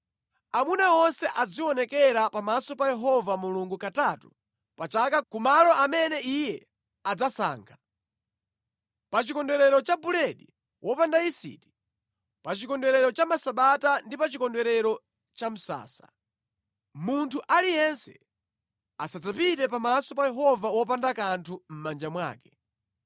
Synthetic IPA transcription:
amunawɔnsɛʔad͡ziwɔnɛkɛɾapamasɔpajɛɦɔvamuluŋɡukatatṵ | pat͡ʃakakumalɔʔamɛnɛijɛ | ad͡zasa̰ːŋkʰa | pat͡ʃikɔndɛɾɛɾɔt͡ʃabulɛɗi | wʔɔpandaisḭti̥ | pat͡ʃikɔndɛɾɛɾɔt͡ʃamasaɓatandipat͡ʃikɔndɛɾɛɾɔ | t͡ʃam̩sa̰ːsḁ̰ | muntʰuʔalijɛnsɛ | asad͡zapitɛpamasɔpajɛɦɔvawɔp̬andakantʰum̩mand͡ʒamwa̰ːkɛ̥

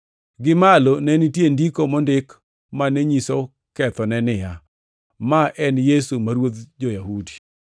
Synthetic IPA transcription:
ɡɪmalonɛnitjendikomɔndɪk | manɛɲiso | kɛt̪ɔnɛnɪja | maʔɛnjesumaɾwot̪d͡ʒojahudi̥

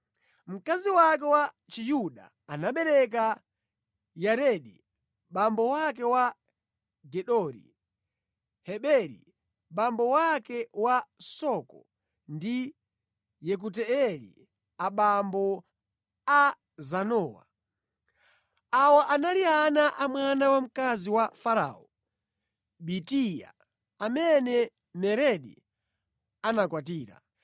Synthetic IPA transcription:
m̩kaziwakɛwa | t͡ʃijuɗa̰ːnaɓɛɾɛk̬a | jaɾɛɗḭ | ɓambɔwak̬ɛwa | ɡɛɗɔɾḭ | hɛɓɛɾḭ | ɓambɔwakɛwasɔkɔ | ndi | jɛk̬ut̬ɛɛɾḭ | aɓambɔ | a | zanɔːwa̰ | awɔʔanalianaʔamwanawam̩kaziwafaɾa̰ːɔ | ɓitija̰ | amɛnɛ | mɛɾɛɗḭ | anakwat̬iːɾa̰

